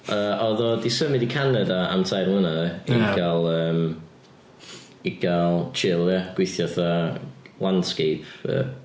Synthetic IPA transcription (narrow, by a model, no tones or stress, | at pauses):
əːʔɔðɔdisəmɪdikʰanɛdaa̰mtʰajrmlˠənaɡalˠəːm | iɡ̥alˠt͡ʃʰɪlˠjaɡ̥wɪθjɔθalˠand̥skejpʰə̰ː